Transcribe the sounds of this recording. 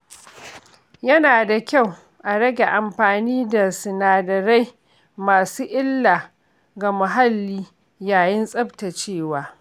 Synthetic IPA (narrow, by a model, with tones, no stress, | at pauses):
jɐ˦naː˨da˨kʲa˦˨w | ʔa˨ɽɐ˦ɡʲe˨ʔa˨mɸaː˨niː˦da˨sɪ˨naː˨dɐ˨ɾa˦j | maː˨suː˦ʔɪ˦lːaː˨ | ɡa˨mʊ˨ɦa˦lːiː˦ | jaː˨jɪ˦nsʼɐ˦bta˨t͡ʃeː˦˨waː˨˦